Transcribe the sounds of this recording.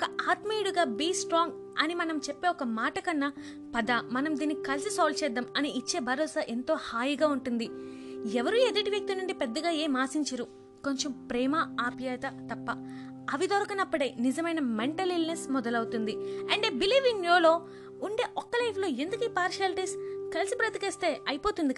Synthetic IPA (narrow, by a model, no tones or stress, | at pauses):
ɔkɐaːt̪mejɽuɡaːbiːsʈɾaːŋɡ | ɐnimɐnɐmt͡ʃepːe̞ːɔkɐmaːʈɐkɐnːɐ | pɐd̪ɐmɐnɐmd̪iːnːikɐlsisɔːlt͡ʃɛːd̪ːɐmɐniit͡ʃːe̞ːbʱɐɾɔːsaʔe̞nt̪o̞ːhaːjiɡaːuɳʈund̪iɛʋɐɾued̪iʈiʋjɐk̚t̪inuɳɖipɛd̪ːɐɡaːeːmaːsiɲt͡ʃɐɾu | ko̞ɲt͡ʃempɾɛːmaaːpjɐːt̪ɐt̪ɐpːɐ | ɐʋid̪ɔːɾɐkɐnɐpːɐɽɐjnizɐmɐjnɐmeɳʈɐlilnesmɔd̪ɐlɐwut̪und̪iɐɳɖebiliːʋiŋɡjoːlo̞ː | uɳɖeːʔɔkːɐlɐjplo̞ːe̞nd̪ukiːpaːɾʃɐlʈiːskɐlsipɾɐt̪ikeːst̪e̞ːɐjipo̞ːt̪und̪i